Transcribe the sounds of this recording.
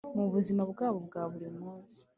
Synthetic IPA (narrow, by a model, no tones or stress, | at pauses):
muβuzimaβɡaːβoβɡaːβuɾimuːnsi̥